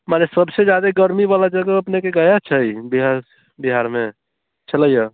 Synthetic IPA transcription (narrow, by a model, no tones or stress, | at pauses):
manesəbsed͡ʒjad̪eɡəɾmiβalad͡ʒəɡəəpnekeɡəjat͡ʃʰəjbiɦaɾ | biɦaɾme | t͡ʃʰələjə